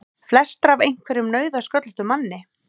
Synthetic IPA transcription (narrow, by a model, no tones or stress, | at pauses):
flɛst̪ɾavejŋ̥kʰvɛɾʏmnœːɥðaskœt̪l̥t̪ʏmanːɪ